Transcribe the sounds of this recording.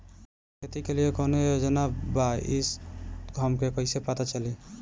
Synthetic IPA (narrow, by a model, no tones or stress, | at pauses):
kʰet̪ikelijekonojod͡ʒənabaisɡʱəmkepəɦɪsepat̪at͡ʃəli